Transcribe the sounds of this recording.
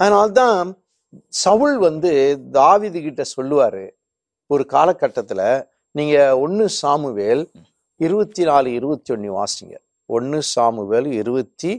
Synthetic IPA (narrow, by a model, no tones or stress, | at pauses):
ɐðɐnaːlt̪̬ãː | sɐʋɯlʋɐnd̪ɯd̪aːʋiːðɯkɪʈːɐsɔlːɯʋaːɾɯ | ɔɾɯkaːlɐkːɐʈːɐt̪ːɪlɐ | niːŋɡɐɔnːɯsaːmɯʋeːl | ɪɾɯbɐt̪ːinaːlɯɪɾɯbɐt̪ːiɔɳːɯʋa̰ːsɪŋɡɐ̰l | ɔɳːɯsaːmɯʋeːlɪɾɯbɐt̪ːi